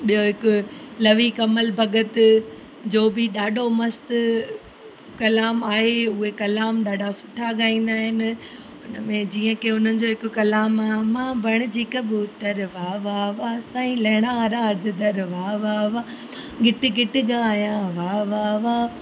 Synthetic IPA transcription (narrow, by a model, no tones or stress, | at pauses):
ɓijoɦɪkʊlɐʋikɐməlbʱɐɡət̪ | d͡ʑoːbɪɗaːɖʱomɐst̪ | kɐlaːmaːɦeʊɦekɐlaːmɗaːɖʱasʊ̥ʈʰaɡaːĩːn̆d̪aːɦɪnɪ̆ | ʊnəmẽd͡ʑiːə̃kʰeʊn̤ənɪ̆d͡ʑoːɦɪkʊkɐlaːmaːmãːbʱɐɽ̃ɪ̆d͡ʑiːkəbʊt̪ɐɾʋaːʋaʋasãːĩlɐɦɪɽ̃aɾaːd͡ʑd̪ɐɾʋaːʋaʋa | ɡɪʈɪɡɪʈɪɡãːijãʋaːʋaʋaː